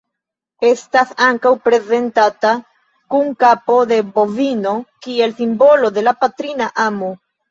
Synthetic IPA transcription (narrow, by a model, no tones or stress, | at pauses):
e̞stasaŋkawpɾe̞ze̞ntata | kuŋkapo̞de̞bo̞vino̞kie̞lsimbo̞lo̞de̞lapatɾinaʔamo